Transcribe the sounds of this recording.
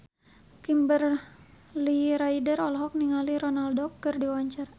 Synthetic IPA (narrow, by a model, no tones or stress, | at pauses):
kimbər | liɾaidərɔlɦɔk̚niŋaliɾɔnaldɔkːərdiwaɲt͡ʃar